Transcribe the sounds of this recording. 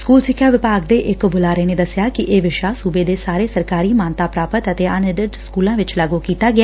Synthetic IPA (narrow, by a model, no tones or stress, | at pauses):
skuːlsɪkʰjaːʋɪpaːkd̪eːʔɪkbʊlaːɾeːneːd̪əsɪjaːkɪʔeːʋɪʃaːsuːbeːd̪eːsaːɾeːsəɾkaːɾiːmaːnt̪aːpɾaːpət̪ət̪eːənɪɖəɖskuːlãːʋɪt͡ʃlaɡoːkiːt̪aːɡɪa